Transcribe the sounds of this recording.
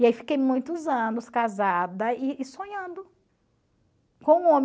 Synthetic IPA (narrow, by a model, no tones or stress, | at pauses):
iaifi̥kejmũj̃t̪ʊzɐ̃nʊskazad̪ɐɪːsõɲɐ̃nd̪ʊ | kõũõm